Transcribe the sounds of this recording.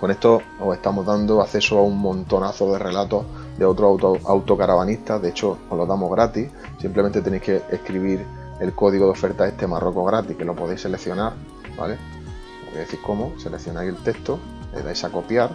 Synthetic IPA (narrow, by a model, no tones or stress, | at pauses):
ko̞ne̞ht̪o̞ | ose̞ht̪amoɦðand̪oaθe̞soauŋmõ̞nt̪o̞naθo̞ðe̞re̞lat̪o̞ | d̪e̞o̞t̪ɾooawt̪o̞kaɾaβaniht̪aðeet͡ʃooloðamo̞ɦɣɾat̪i | simplemẽnt̪et̪enejhkeehkɾiβiɾ | e̞lko̞ðiɣo̞ðeo̞fe̞ɾt̪ae̞ht̪e̞marʔo̞koɣɾat̪ihke̞lo̞po̞ðejse̞le̞kθjo̞naɾ | ba̰le̞ | ooejðeθiɾko̞mose̞lekθjo̞najse̞lt̪e̞ht̪o | lḛða̰jsako̞pjaɾ